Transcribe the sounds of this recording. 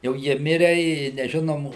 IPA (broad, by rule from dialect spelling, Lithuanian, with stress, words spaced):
jɛʊ ˈjiɛ ˈmʲɪrʲɛ ɪ nʲɛˈʒʲɪnoːm